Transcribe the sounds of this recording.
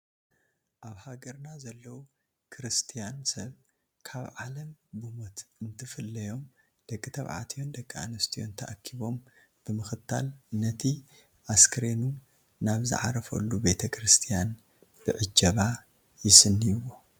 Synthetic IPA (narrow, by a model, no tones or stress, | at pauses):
ʔaβhaɡɐɾnazɐlːɐwu | kʰɾɨst̪ʰijansɐβ | kʰaβʕalɐmbumot̪ɨnt̪ʰɨfɨlːɐjo̞m | d̪̥ɐkʼːɨt̪ʰɐ̰βʕa̰t̪ʰijo̞nd̪ɐkʼːaa̰nɐst̪ʰijo̞̰nt̪ʰɐʔakʰːiβo̞m | b̥ɨmɨxɨt̪ʰːa̰lnɐt̪ʰi | ʔaskʰɨɾenu | naβzɨ̰ʕa̰ɾɐfɐ̰lːube̞t̪ʰɐkʰɾɨst̪ʰijan | b̥ɨʕɨd͡ʒːɐβa | jɪsɨnːijwo